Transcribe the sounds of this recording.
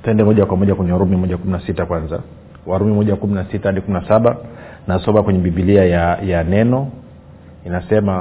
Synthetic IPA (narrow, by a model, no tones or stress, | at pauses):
tɛndɛmɔʄakwamɔʄakwɛɲɛaɾumimɔʄakuminasitakwanza̰ | waɾumimɔʄakuminasitaaɗikuminasaɓa | nasɔmakwɛɲɛɓiɓiliajajanɛnɔ | inasɛma